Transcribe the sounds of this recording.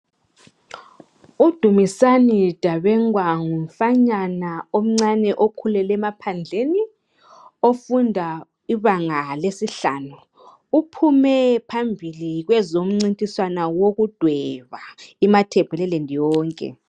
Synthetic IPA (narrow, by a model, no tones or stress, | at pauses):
ud̥ʱumisanid̥ʱaβɛŋwaŋum̩faɲanaom̩ŋ͡ǀanɛʔokʰulɛlɛmapʰand͡ɮʱeni | ofundʱa | iβaŋalesiɬa̰ːnuː | pʰumɛpʰambʱiliɣwɛzom̩ŋ͡ǀintʼiswanawoɣud̥ʱwɛβaimatʰɛb̥ʱɛlɛlendʱijɔːŋkʼɛ̰